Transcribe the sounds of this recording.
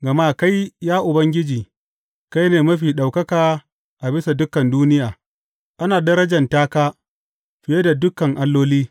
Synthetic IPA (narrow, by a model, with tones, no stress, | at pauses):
ɡɐ˨maː˦ka˦jjaː˦ʔʊ˨bɐ˦ŋɡʲɪ˦d͡ʒiː˨ | ka˦jneː˨mɐ˦ɸiː˨ɗa˨wkɐ˦kaː˨ | ʔa˨bɪ˦sa˨dʊ˦kːɐ˨nduː˦nɪ˦jaː˨ | ʔa˦naː˨dɐ˦ɾɐ˦d͡ʒɐ˨ntaː˦kaː˦ | ɸɪ˨je˦da˨dʊ˦kːɐ˨ŋʔa˦lːoː˦liː˦